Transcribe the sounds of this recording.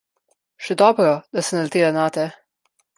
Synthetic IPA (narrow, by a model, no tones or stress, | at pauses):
ʃɛd̪ɔːbɾɔd̪̥asɛnalt̪eːlanaːt̪ɛ